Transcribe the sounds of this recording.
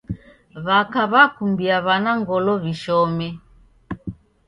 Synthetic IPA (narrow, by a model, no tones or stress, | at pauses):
βakaβakumbiaβanaŋɡɔlɔβiʃɔmɛ